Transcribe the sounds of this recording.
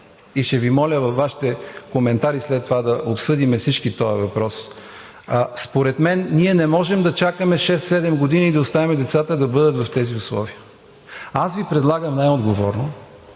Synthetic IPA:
iʃt̪ɛvimɔlʲəvɐfvːaʃi̥t̪ɛkomɛnt̪aɾislɛt̪ːovad̪ɐʔopsɤd̪imɛfsit͡ʃkit̪ɔɐvɐpɾɔs | spoɾɛt̪mɛnːiɛnɛmɔʒɛmd̪ɐt͡ʃakəmɛʃɛst̪sɛd̪ɛmɡod̪iniːd̪ɐoʊst̪avimɛd̪ɛt̪sat̪əd̪ɐbɤd̪ət̪vɐft̪ɛziʊslˠɔ̰viə | asvipɾɛd̪lˠaɡəmnajod̪ɡovɔɾno

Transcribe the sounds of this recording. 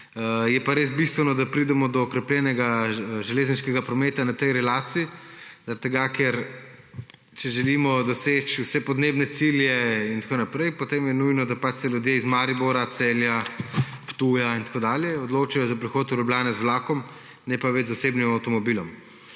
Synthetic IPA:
jɛpaɾesbist̪ʋɛnɔd̪apɾid̪ɛmɔd̪ɔːkɾɛplʲjɛnɛɡaʒɛleːzniʃkɛɡapɾɔmeːt̪anat̪ɛjɾɛlaːt̪siːzɐɾat̪ːɛɡakɛɾ | t͡ʃɛʒɛlimɔd̪ɔset͡ʃusɛpɔd̪neːbnɛt̪siljɛint̪akoːnapɾɛjpot̪eːmjɛnujnɔd̪apat͡ʃsɛlʲjud̪jeizmaːɾibɔɾat̪sɛljapt̪ujaint̪koːd̪aːljɛɔd̪loːt͡ʃajɔzapɾixoːt̪uɾublʲjaːnɛzʋlaːkɔm | nɛpaʋɛd͡ʒzɔseːbnimawt̪ɔmɔbilɔm

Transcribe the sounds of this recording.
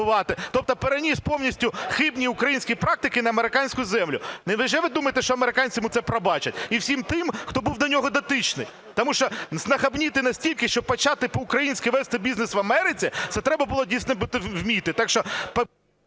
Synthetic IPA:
ʊʋɑt̪ɪt̪ɔp̚t̪ɔpeɾenʲisʲpɔwnʲisʲtʲʊxɪbnʲiʊkɾɐjinʲsʲkʲijpɾɑk̚t̪ɪkɪnɐɐmeɾɪkɑnʲsʲkʊjʊzɛmlʲʊnɪʋɪʒɛʋɪd̪umɐjet̪eʃt͡ʃɔɐmeɾɪkɑnʲt͡sʲɪmʊt̪sɛpɾɐbɑt͡ʃɐtʲiwsʲimt̪ɪmxt̪ɔbuwd̪ɐnʲɔɦɔd̪ɐt̪ɪt͡ʃnɪ̰j | t̪ɔmuʃt͡ʃɔznɐxɐbnʲit̪ɪnɐsʲtʲilʲkɪʃt͡ʃɔpɐt͡ʃɑt̪ɪpɔʊkɾɐjinʲsʲkʲɪʋɛst̪ɪbʲiznesʋɐmɛɾɪt͡sʲit̪sɛt̪ɾɛbɐbʊlˠɔdʲijsʲnɔbut̪ɪwwmʲit̪ɪt̪ɑkʃt͡ʃɔp

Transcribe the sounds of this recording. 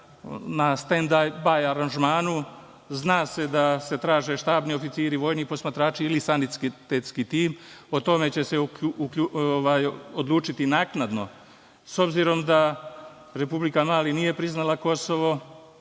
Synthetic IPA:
nast̪end̪abajaɾanʒmaːnu | znaːse̞d̪ase̞t̪ɾaːʒe̞ʃt̪aːbnio̞fit̪siːɾiʋo̞ːjnixpo̞smat̪ɾaːt͡ʃiilisanit̪skt̪et̪skit̪iːmo̞t̪o̞me̞t͡ɕe̞seukʎuoʋaːjod̪lˠuːt͡ʃit̪inaːknad̪no̞̰ | so̞bziɾo̞md̪a | ɾe̞publikamaːlinije̞pɾiznalako̞so̞ʋo̞

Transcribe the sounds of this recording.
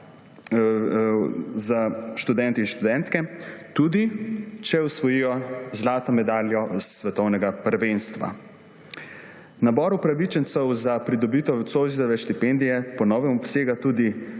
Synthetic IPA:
zaʃt̪ud̪ɛnt̪inʃt̪ud̪ɛ̃nt̪kɛt̪ud̪it͡ʃɛusʋɔjiːjɔzlaːt̪ɔmɛd̪aːljɔsʋɛt̪ɔwnɛɡapɾʋenst̪ʋa̰ | nabɔɾupɾaʋit͡ʃɛnsɛwzapɾid̪ɔbiːt̪ɔt̪sozit̪ɔʋɛʃt̪ipɛnd̪ijɛpɔnɔʋɛmɔpseːɡat̪uːd̪i

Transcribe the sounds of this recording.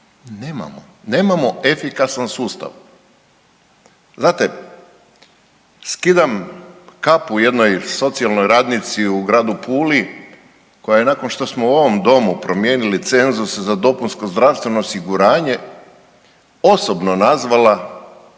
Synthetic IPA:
neːma̰mo̰ | ne̞ːmamo̞e̞fikasansuːst̪a̰ʋ | zaːt̪e | skid̪amkapuje̞d̪no̞jso̞t̪sialˠno̞jɾaːd̪nit̪siuɡɾaːd̪upʰuːli | ko̞jajenako̞nʃt̪o̞smouo̞ʋo̞md̪o̞mupɾo̞mjeːnilit̪se̞nzuszad̪o̞punsko̞zd̪ɾaʋst̪ʋe̞no̞ːsiɡuɾaːɲe̞ | o̞sobno̞nazʋala

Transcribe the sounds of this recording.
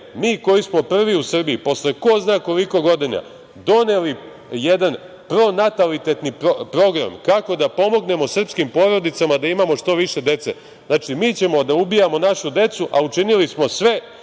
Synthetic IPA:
miːko̞jismo̞pr̩ʋiusrbiipo̞sleko̞znaːko̞liko̞ɡo̞d̪ina̰ | d̪o̞ne̞li | jed̪an | pɾo̞nat̪alit̪e̞t̪niopɾo̞ɡɾa̰mkako̞d̪apo̞mo̞ɡne̞mo̞srpskimpo̞ɾo̞d̪it̪samad̪aimamo̞ʃt̪o̞ʋiʃe̞d̪e̞t̪se̞̰ | znaːt͡ʃimiːt͡ɕe̞mo̞d̪aubijamo̞naʃud̪e̞t̪suʔaut͡ʃinilismo̞sʋe̞

